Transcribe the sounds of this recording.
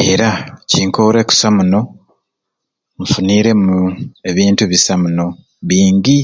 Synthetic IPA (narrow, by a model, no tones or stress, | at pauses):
e̞ɾaciːŋkoɾe̞ku̥samuno̞ | mfuniːɾe̞mue̞βiːntuβisamuno̞ | βiːŋɟi